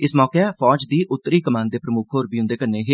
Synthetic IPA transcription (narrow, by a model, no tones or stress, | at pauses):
ɪsmɔːkepʰɔːd͡ʒd̪iːʔʊt̪ːɾiːkəmãːnd̪eːpɾəmʊkʰɦoːɾbiːɦʊ̃nd̪eːkəɾneːɦe